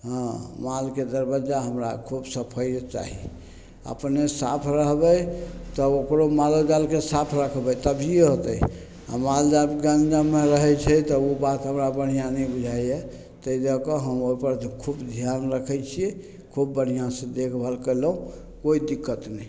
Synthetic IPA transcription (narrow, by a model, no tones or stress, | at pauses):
ɦɔ̃malked̪əɾbəd͡ʒaɦəmɾa̰kʰubsəpʰəjt͡ʃa̰ɦḭ | ə̰pnesapʰɾəɦbəjt̪ɔokɾomalod͡ʒalkesapʰɾəkʰbəjt̪əbʱieɦot̪əj | a̰mald͡ʒabɡãnd͡ʒameɾəɦɛt͡ʃʰɛt̪ɔubat̪ɦəmɾabəɽ̤ijanɛbud͡ʒʱajɛ | t̪əid̪əkɔɦəmopəɾkʰubd̪ʱijanɾəkʰɛt͡ʃʰiɛ | kʰub̚ːəɽ̤ijãsẽd̪ekʰbʱəlkəlɦũ | koid̪ikːət̪nɛ